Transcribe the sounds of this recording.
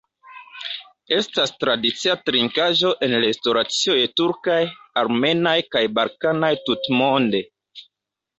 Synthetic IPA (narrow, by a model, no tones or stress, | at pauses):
e̞stastɾadit͡siatɾiŋkaʒo̞ʔe̞nlestoɾat͡siojetuɾkajaɾme̞najkajbalkanajtutmonde̞